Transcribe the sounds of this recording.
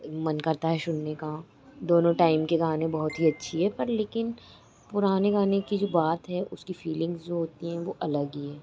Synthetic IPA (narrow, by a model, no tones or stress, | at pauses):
mɐnkɐɾt̪aɦɛʃʊnːeka | d̪oːnõʈaːɪmkeɡaːnẽbɐɦʊt̪ɦiɐtːʃʰiɦɛpɐɾleːkɪn | pʊɾaːneɡaːnekid͡ʒoːbaːt̪ɦɛʔʊskifiːlɪ̃ŋɡzd͡ʒoɦoːt̪iɦɛ̃ʋoʔɐləɡiɦɛː